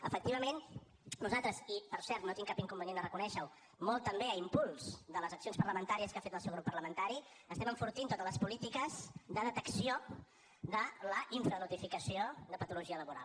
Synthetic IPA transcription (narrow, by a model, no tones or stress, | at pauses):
əfək̚t̪iβəmen | nuzalˠt̪ɾəzipəɾsɛɾt̪not̪iŋkapiŋkumbənenərəkunɛʃəw | molˠt̪əmbeəimpulˠz̥ðələzəksionspəɾləmənt̪aɾiəskafet̪əlˠsɛwɣɾupːərləmənt̪aɾi | əst̪ɛməɱfuɾt̪int̪ot̪ələspulit̪ikəzd̪əðət̪əksio | ðələʔiɱfɾənut̪ifikəsioðəpət̪uluʒiələβuɾa̰lˠ